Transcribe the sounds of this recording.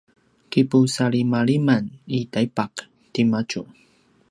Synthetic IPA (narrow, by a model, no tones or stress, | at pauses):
kipusaɭimaɭimanitaipak | timat͡ʃu